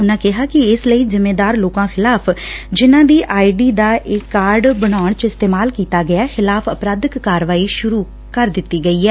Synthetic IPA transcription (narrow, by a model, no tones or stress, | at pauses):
ʊnãːkɪɦaːkɪɪsləiːzɪmːeːd̪aːɾloːkãːxʰɪlaːpʰd͡ʒɪnãːd̪iːʔʔaːiɖiːd̪aːʔɪkːaːɾɖbəɽ̃aːəɳ̃t͡ʃɪst̪eːmaːlkiːt̪aːɡɪjaːxʰɪlaːpʰəpɾaːd̪əkːaːɾʋaːiːʃʊɾuː | kəɾd̪ɪt̪ːiːɡəiːɦɛː